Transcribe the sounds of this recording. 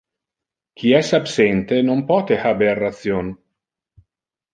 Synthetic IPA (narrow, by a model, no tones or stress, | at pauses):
kʰiɛsapsɛnt̪enompɔːt̪ehaberːat̪sjon